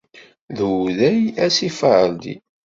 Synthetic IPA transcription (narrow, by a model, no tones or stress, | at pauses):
ðuðæjæsifəʕəld̪ḭ